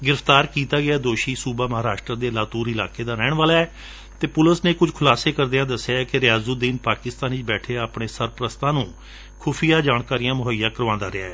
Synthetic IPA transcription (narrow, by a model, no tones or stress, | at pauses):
ɡɪɾəfʰt̪aːɾkiːt̪aːɡɪaːd̪oːʃiːsuːbaːməɦaːɾaːʃʈɾəd̪eːlaːt̪uːɾɪla̰ːkeːd̪aːɾɛːɳʋaːlaːɛː | t̪eːpʊləsneːkʊd͡ʒkʰʊlaːseːkəɾd̪eːãːd̪əsːɪjaːɛkɪɾɪjaːzuːd̪iːnpaːkɪst̪aːniːt͡ʃbɛːʈʰeːaːpɳeːsəɾpɾəst̪ãːnũː | kʰʊːpʰijaːd͡ʒaːɳkaːɾijãːmʊɦəjaːkəɾʋãːnd̪aːɾɪa̰ːɛː